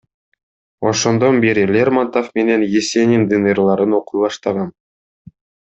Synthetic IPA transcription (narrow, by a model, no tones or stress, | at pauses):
o̞ʃo̞nd̪o̞nbeɾilʲermant̪ofme̞ne̞njesʲenʲind̪ɨnirlˠɑɾɯno̞qujb̪ˠɑʃt̪ɑʁɑn